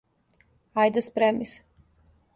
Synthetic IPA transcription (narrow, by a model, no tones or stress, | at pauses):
ajd̪ɛspɾɛmis